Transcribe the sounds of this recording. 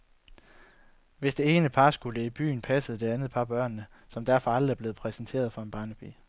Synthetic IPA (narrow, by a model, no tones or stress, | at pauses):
ʋe̝sd̥e̝e̝ːnəpʰɑ̈sɡ̥uləib̥y̰ːn̩pʰæsəð̩ˠd̥e̝ænð̞̩ˠpʰɑ̈b̥ɶɐ̰nːə | sɒ̽md̥æɐ̰fɒ̽ɑlʁ̩æɐb̥le̝ːð̞̩ˠpʰʁɛsnt͡sʰe̝̰ɐðˠfɒ̽e̝nb̥ɑ̈nəb̥y̰